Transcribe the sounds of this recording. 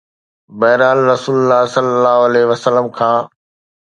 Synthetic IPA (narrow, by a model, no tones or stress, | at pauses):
bɐɦɪɾaːlɾɐsuːləlːaːɦsɐlːəlːaːɦoɐlɛːʋɐsəlːəmkʰãː